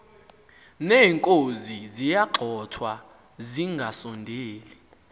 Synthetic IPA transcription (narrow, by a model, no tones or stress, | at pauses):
nɛːŋkʼozizijaɡ͡ǃʱɔtʰwa | ziŋɡʱasɔndʱeːli